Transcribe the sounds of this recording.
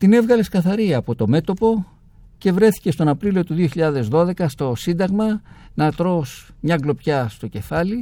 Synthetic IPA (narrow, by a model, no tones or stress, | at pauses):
t̪ine̞vɣɐle̞skɐθɐɾiɐːpo̞t̪o̞me̞t̪o̞po̞ | ce̞vɾe̞θi̥ce̞st̪o̞nɐpɾilio̞t̪uðioçiʎɐðe̞zðo̞ðe̞kɐst̪o̞sind̪ɐɣmɐnɐt̪ɾo̞smɲɐɡlo̞pçɐst̪o̞ce̞fɐli